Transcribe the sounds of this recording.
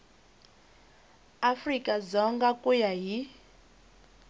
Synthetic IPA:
afrikʼad͡zɔŋɡakʼujaɦi

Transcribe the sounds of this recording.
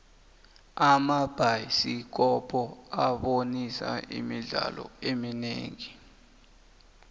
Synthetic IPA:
amab̥ʱajsik̬ɔpʰɔaɓonisa̰ḭmiɮalɔ̰emineːŋi

